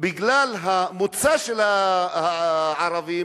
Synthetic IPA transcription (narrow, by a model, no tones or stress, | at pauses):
bɪɡlalɦamut͡saʃelahaʕɑɾavim